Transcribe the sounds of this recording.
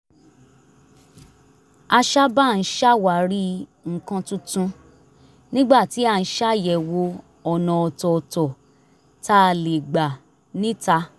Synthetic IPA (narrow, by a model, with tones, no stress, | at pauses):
a˧ʃa˦ba˦˨n̩˦ʃa˦wa˨ɾi˦ŋ̩˨kã˧tũ˦tũ˧ | nĩ˦ɡ͡ba˦˨ti˨˦a˦˧˨n̩˦ʃa˦˨jɛ˨wo˧ | ɔ˨nã˨ɔ˨tɔ˨˧tɔ˨ | ta˦˧le˨ɡ͡ba˨ | nĩ˦ta˧